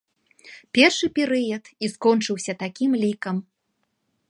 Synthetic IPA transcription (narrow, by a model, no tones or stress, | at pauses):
pʲɛrʂɨpʲɛɾɨjɐt̪iskɔnt͡ʂɨwsʲɐt̪akʲimlʲikɐm